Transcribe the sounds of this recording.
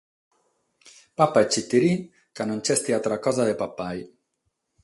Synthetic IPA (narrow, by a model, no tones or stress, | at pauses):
papaɛt͡ʃːit̪ːiɾi | kanont͡ʃɛst̪iat̪ɾakɔzaðepapaj